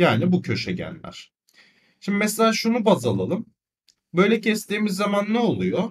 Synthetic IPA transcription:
jaːnibucʰø̞ʃɛɟæ̰nlʲæ̰ɾ̥ | ʃimb̪imɛselʲaːʃunubazalˠalˠɯm | bø̞jlʲɛcʰɛst̪iːmizːamanːɛo̞lˠujo

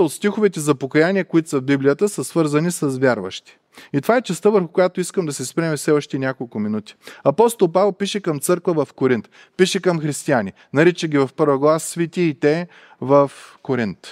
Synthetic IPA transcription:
ot̪st̪ixovɛt̪ɛzɐpokɐjanʲiɛkʊit̪o̥sɐvbiblijət̪əsəsvɤɾzɐnisɐzvʲjaɾvə̰ʃt̪i̥ | it̪ovaɛt͡ʃɛst̪əvəɾxʊkʊjat̪oiskəmd̪ɐsɛspɾɛmifsɛlˠəʃt̪inʲakolˠkʊminut̪i̥ɐpɔst̪olˠpavɛlˠpiʃɛkɐmt̪sɤɾkvəvɐfkoɾint̪ | piʃɛkɐmxɾist̪iani | nɐɾit͡ʃɛɡʲivɐfpɤɾvəɡlˠasːvit̪iːt̪ɛ | vəfkoɾint̪

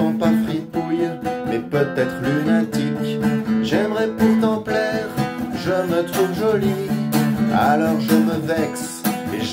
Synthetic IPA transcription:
ɑ̃pafχid̪̚pujmɛpøt̪ɛt̪χlynɛ̃t̪ikʒɛmʁɛpuʁt̪ɑ̃plɛʁʒəmət̪χuvʒɔli | alɔʁʒəməvɛks | eʒ

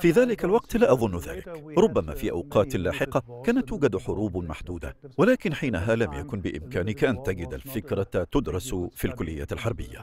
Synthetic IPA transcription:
fiːðaːlɪkalwɑqt̪laːʔɑðˤʊnːða̰ːlɪkɾˤʊbːama̰ːfiːʔa̰wqɑːt̪laːħɪqɑkaːnat̪ːuːɡad̪ħʊɾˤuːbmaħd̪uːd̪a̰walaːkɪnħiːnaɦaːlamjakʊnbɪʔɪ̰mkaːnɪkaʔant̪aɡɪd̪a̰lfɪkɾˤɑt̪ʊd̪ɾˤɑsfilkʊlːɪjːa̰ːt̪alħɑɾˤbɪjːa̰

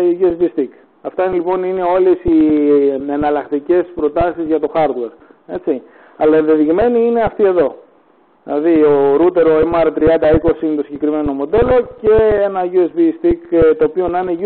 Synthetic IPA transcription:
iʝuezbist̪ik | ɐft̪ɐinelipo̞nine̞o̞lesi | enɐlɐkt̪ice̞spɾo̞t̪ɐsizʝɐt̪o̞xɐɾd̪we̞ɾe̞t͡si | ɐlɐiðeðiɣme̞niine̞ɐft̪ie̞ðo̞ | ðilɐðioɾut̪e̞ɾo̞emɐɾt̪ɾiɐnd̪ɐiko̞siinet̪o̞siɲɟe̞kɾime̞no̞mo̞d̪e̞lo̞ce̞enɐʝuezbist̪ikt̪oːpio̞nɐineʝu

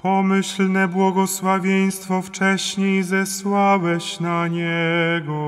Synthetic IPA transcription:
pɔmɘɕlnɛbwɔɡɔswavʲjej̃st̪fɔft͡ʂɛɕɲejzɛswawɛɕnaɲɛɡɔ

